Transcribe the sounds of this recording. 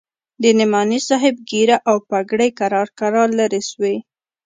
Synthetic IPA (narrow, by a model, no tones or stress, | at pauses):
d̪ənɪmɑnisɑɦɪb̚ɡiɾaʔawpaɡɽəjkaɾɑɾkaɾɑlaɾeswe